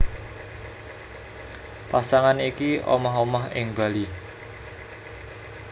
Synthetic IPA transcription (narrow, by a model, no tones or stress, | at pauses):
pasaŋanikiʔo̰maɦomaɦɪ̰ŋba̤li